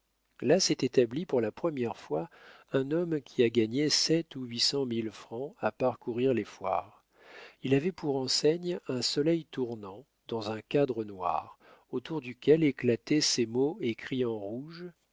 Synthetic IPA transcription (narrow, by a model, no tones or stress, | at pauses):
lasɛt̪et̪ablipuʁlapχəmjɛʁfwaɛ̃nɔmkʲʰiaɡaɲesɛt̪uɥisɑ̃milfχɑ̃apaʁkuʁiʁlefwa̰ːʁ | ilavɛpuʁɑ̃sɛɲɛ̃sɔlɛjt̪uʁnɑ̃ | d̪̥ɑ̃zɛ̃kad̪ʁənwa̰ʁ | ot̪uʁd̪ykʲɛleklat̪ɛsemoekχiɑ̃ʁuʒ